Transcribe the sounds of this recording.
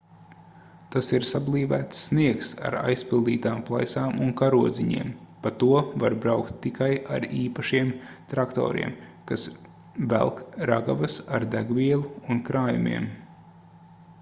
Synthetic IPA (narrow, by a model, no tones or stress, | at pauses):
t̪asiɾsablˠiːvæːt̪sːniɛksa̰ɾa̰jspilˠd̪iːt̪aːmplˠa̰jsaːmunkaɾuɔd̪ziɲḭɛmpat̪uɔvaɾbɾawkt̪ːikaja̰ɾiːpaʃiɛm | t̪ɾakt̪ɔ̰ːɾḭɛmkas | væ̰lˠkɾa̰ɡavasaɾd̪æɡvʲiɛlˠuːnkɾaːjumʲḭɛm